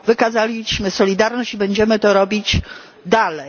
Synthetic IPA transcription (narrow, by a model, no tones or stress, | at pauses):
vɘkazalʲiɕmɘsɔlʲid̪aɾnɔɕt͡ɕibɛɲd͡ʑɛmɘt̪ɔɾɔbʲid͡ʑ | d̪alɛ